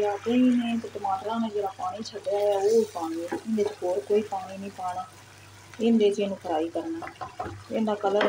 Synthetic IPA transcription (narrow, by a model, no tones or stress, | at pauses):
aːt̪eːiːnẽːt̪eːʈəmaːʈɾãːnẽːd͡ʒeːɽaːpaːɽ̃iːt͡ʃʰəɖjaːaːoːpaːñiːɪnd̪eːt͡ʃhoːɾkoːiːpaːɽiːnĩːpaːɽaː | ɪnd̪eːt͡ʃẽːnũːkʰəɾaːiːkəɾnaːɪ̃nd̪aːkələɾ